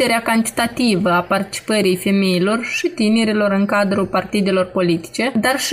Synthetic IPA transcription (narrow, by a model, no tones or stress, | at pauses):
e̞ɾeakant̪i̥t̪at̪ivəapart̪i̥t͡ʃi̥pəɾijfe̞mejilo̞rʃit̪ine̞ɾilo̞ɾɨŋkad̪ɾupart̪id̪e̞lo̞rpo̞lit̪i̥t͡ʃe̞d̪arʃ